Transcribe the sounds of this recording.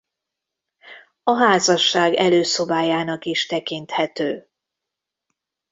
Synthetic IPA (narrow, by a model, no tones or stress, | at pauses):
ɒɦaːzɒʃːaːɡɛløːso̞baːjaːnɒkiʃt̪ɛkint̪hɛt̪øː